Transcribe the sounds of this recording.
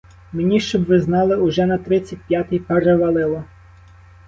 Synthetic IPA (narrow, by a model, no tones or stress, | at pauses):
menʲiʃt͡ʃɔbʋɪznɑlˠɪʊʒɛnɐt̪ɾɪt͡sʲːɐt̚ʲpʲjat̪ɪjpeɾeʋɐlˠɪlˠɔ